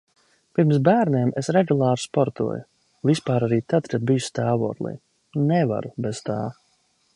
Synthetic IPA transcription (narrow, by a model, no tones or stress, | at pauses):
piɾmsbæːɾneːmesɾɛɡulˠaːɾspɔɾt̪ṵɔjṵ | vispaːɾaɾiːt̪ad̪kad̪̚bijust̪aːvṵːt̪lˠḭj | nɛva̰ɾubez̥t̪aː